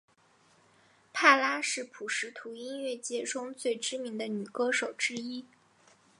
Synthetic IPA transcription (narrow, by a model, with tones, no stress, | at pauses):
p̪ʰa˥˩la˥ʂɻ̩˥˩pʰu˨˩ʂɻ̩˧˥t̪ʰu˧˥i˥nɥɛ˥˩t͡ɕjɛ˥˩ʈ͡ʂʊ˥ŋt͡swe˥˩ɪʈ͡ʂɻ̩˥mi˧˥ŋd̪ə˧ny˨˩kɤ˥ʂo˨˩ʊʈ͡ʂɻ̩˥i˥